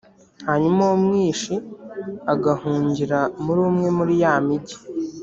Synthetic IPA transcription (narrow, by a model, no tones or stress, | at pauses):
haɲumawumŋiːʃi | aɡahuːɲɟiɾamuɾuːmŋe̞muɾijaːmiɟi̥